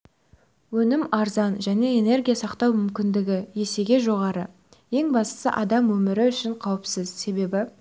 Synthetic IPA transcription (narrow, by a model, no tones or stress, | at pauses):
wɵnɪmɑɾzɑnʒæne̞ene̞rɡʲijasɑqt̪ɑwmʏmkʲɪnd̪ɪɡʲɪje̞se̞ɡʲe̞ʒo̞ʁɑɾə | je̞ŋbɑst̪ə̥sə̰ʔɑd̪ɑmwɵmɪɾɪʏʃɪɴqʰɑwəpsəzse̞be̞bɪ